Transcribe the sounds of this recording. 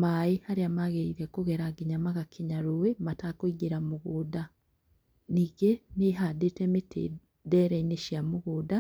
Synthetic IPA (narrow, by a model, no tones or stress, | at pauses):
majihaɾiamaɣeiɾekuɣeɾaɡiɲamaɣakʰiɲaɾuwematakuiɡiɾamuɣuda | niɡeneɦadetemetʰḛ | deɾeineʃiamuɣuda